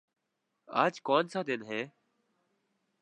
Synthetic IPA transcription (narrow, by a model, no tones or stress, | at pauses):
a̰ːd͡ʒkɔːnsãːd̪eːnɦeː